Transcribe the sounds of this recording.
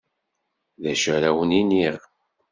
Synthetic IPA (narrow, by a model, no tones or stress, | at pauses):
ðæʃəɾæwəniniʁ